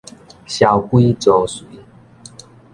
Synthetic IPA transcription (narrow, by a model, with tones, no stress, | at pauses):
ɕja˨˩wkwi˦t͡so˨˦swi˨˦